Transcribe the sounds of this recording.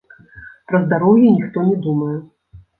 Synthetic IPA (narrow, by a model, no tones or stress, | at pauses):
pɾɐzd̪aɾɔwjɛnʲixt̪ɔnʲɛd̪umɐjɛ